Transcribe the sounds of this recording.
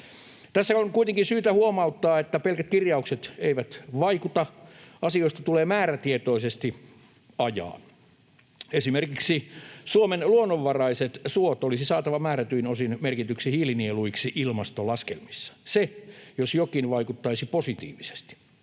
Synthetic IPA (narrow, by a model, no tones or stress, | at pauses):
t̪æsːæoŋkuit̪eŋkinsyːt̪æhuomɑut̪ːɑːet̪ːæpelkæt̪̚kirjɑukset̪eiʋæt̪ʋɑikut̪ɑɑsioist̪ɑ̥t̪uleːmæːɾæt̪iet̪oisest̪i | ɑjɑ̰ː | esimerkiksisuomenluonːoʋːɑrɑiset̪suot̪olisisɑːt̪ɑʋɑmæːɾæt̪yinosinmerkit̪yksihiːlinieluiksiʔilmɑst̪olɑskḛlmisːɑ̥sejosjokinʋɑikut̪ːɑisiposit̪ḭːʋise̥st̪i̥